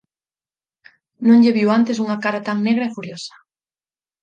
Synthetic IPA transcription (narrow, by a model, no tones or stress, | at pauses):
nõŋʎeβiwant̪es̬uŋakaɾat̪aŋneɣ̞ɾaefuɾjosḁ